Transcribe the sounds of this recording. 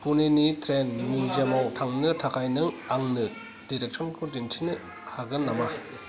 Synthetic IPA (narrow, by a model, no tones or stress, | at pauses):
puninitʰɾenːizemawtʰaŋnɯtʰakʰajnɯŋaŋnɯ | diɾek̚sɔnkʰudintʰinɯ | haɡɯnːama